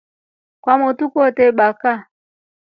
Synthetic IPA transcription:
kwamotukɔtɛɓaka

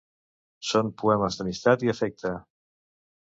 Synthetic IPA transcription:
sompuɛməzðəmist̪at̪iəfɛk̚t̪ə

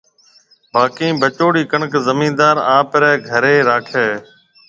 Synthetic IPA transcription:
baːkĩːbət͡ʃoːɽiːkəɳəkzəmĩːnd̪aːɾãːpəɾɛːɡʱəɾeːɾaːkʰeː

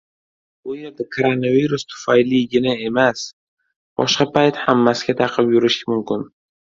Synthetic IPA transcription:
b̥ʊjeɾd̪akʰoɾonaviɾʊst̪ʰʊ̥fajliɡʲɪnae̞mas | b̥ɒ̰ʃqɑpajt̪hamːasɪɡʲat̪ʰaqʰɨbjʊɾɪʃmʊmkʲɪn

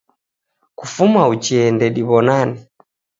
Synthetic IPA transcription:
kufumaut͡ʃiɛndɛɗiβɔnani

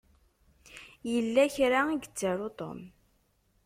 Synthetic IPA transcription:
jəlːæçɾaiɡət͡sːaɾot̪ˤo̰m

